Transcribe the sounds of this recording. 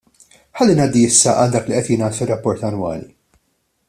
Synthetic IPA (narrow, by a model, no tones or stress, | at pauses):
ħɐlːinɐːd̪ːiɪsːɐʔɐld̪ɐːkliʔɛt̪jɪnɐːt̪fɪrːɐpːɔɾt̪ɐnwɐ̰ːlḭ